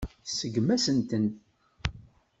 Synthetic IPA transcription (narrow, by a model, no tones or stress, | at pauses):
səɡːmæsənt̪ənt̪